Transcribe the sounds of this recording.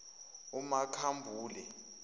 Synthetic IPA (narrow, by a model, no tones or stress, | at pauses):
umakʰambʱuːlɛ